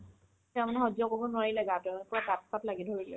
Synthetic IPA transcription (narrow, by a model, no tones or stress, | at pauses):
tɛɹmanɛɦɔzɔkɔkɔnwaɹilɛɡatɛmnɛpɹakat̚patlaɡidʱoɹilɛ̰